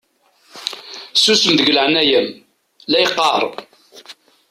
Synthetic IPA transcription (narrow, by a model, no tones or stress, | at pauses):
susəmðəʝələʕənæjəm | læjqːɑɾˤ